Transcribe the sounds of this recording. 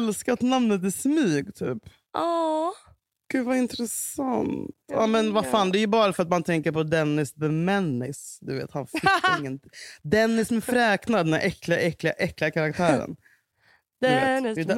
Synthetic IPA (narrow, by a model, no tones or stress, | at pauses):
lskat̪namnət̪æsmyːɡt̪ʰy̰ːp | ʔɑː | ɡ̥ʉ̟ːvaɪnt̪ɾɛsa̰nt̪ɑːmɛnvafaːnd̪ɛːjɵbɑːɾafœɾat̪mant̪ʰɛŋkəɾpɔd̪ɛnːɪsbɛmɛnːɪsd̪ɵvḛːt̪hanfɪɪŋːənd̪ɛnːɪsmɛfɾɛːknad̪ɛnæ̰ʔɛklɪaʔɛklɪɡaʔɛklɪɡakʰaɾak̚t̪ʰæːɾə̰n | d̪d̪